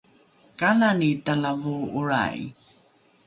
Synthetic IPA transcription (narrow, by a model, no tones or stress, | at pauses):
kalanitalavuuɹa̰j̰